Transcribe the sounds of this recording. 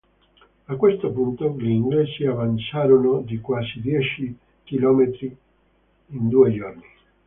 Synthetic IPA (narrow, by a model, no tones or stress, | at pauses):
akːwest̪opunt̪oliiŋɡlesiavant͡ʃaːɾonod̪ikwaːsid̪jɛt͡ʃi | kilɔːmet̪ɾi | ind̪ued͡ʒorni